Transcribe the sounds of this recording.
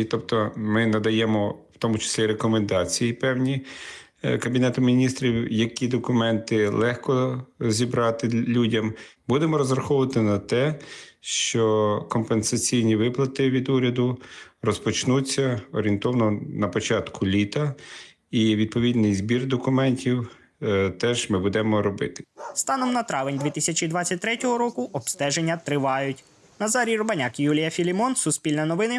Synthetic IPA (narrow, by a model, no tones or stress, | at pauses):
t̪ɔpt̪ɔmɪnɐd̪ɐjɛmɔw̥t̪ɔmʊt͡ʃɪ̥sʲlʲiɾekɔmend̪ɑt͡sʲijipɛwnʲi | kɐbʲinɛt̪ʊmʲinʲist̪ɾʲiwjɐkʲid̪ɔkʊmɛnt̪ɪlˠɛxkɔzʲibɾɑt̪ɪlʲudʲɐmbud̪emɔɾɔzrɐxɔʊʋɐt̪ɪnɐt̪ɛʃt͡ʃɔkɔmpensɐt͡sʲijnʲiʋɪplˠɐt̪ɪʋʲid̪uɾʲɐd̪ʊrɔspɔt͡ʃnut͡sʲːɐɔɾʲint̪ɔwnɔnɐpɔt͡ʃɑt̪kʰʊlʲit̪ɐ | iʋʲid̪̚pɔʋʲid̪nɪjzbʲird̪ɔkʊmɛnʲtʲiw | t̪ɛʒmɪbud̪ɛmɔɾɔbɪt̪ɪ̥st̪ɑnɔmnɐt̪ɾɑʋɪnʲd̪ʋʲit̪ɪsʲɐt͡ʃʲid̪ʋɑt͡sʲːɐt̚ʲt̪ɾɛtʲɔɦɔɾɔkʊʔɔbst̪ɛʒenʲːɐt̪ɾɪʋɑjʊtʲ | nɐzɑɾʲiɾʊbɐnʲakjulʲijɐfʲilʲimɔnsʊspʲilʲnɐnɔʋɪnɪ